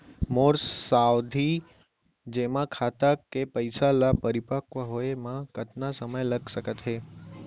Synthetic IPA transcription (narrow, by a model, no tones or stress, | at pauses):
moɾssawd̪ʱi | d͡ʒemãkʰat̪akepəjsalapəɾipakʋəɦoemãkət̪nasəməjləɡʃəkət̪ɦe